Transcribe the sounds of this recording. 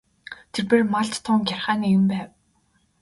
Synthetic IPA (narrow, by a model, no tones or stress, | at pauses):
t̪ʰerpeːrmaɮt̪t̪ʰːʊːŋɡʲarχaːniːjɘ̆mpæːw